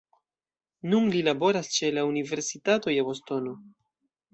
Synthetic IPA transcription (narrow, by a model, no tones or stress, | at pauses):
nunlilabo̞ɾast͡ʃe̞launive̞ɾsitato̞jabo̞sto̞no̞